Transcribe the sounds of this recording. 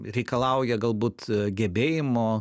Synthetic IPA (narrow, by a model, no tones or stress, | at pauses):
ɾʲɛɪkɐlˠɐʊjɛɡɐlˠbuːt̪ɡʲɛbʲeːjɪmoː